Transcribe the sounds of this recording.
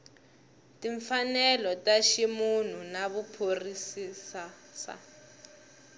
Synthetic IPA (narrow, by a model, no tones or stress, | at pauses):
tiɱfanɛlɔtaʃimun̤unaβupʰorisisa | sa̰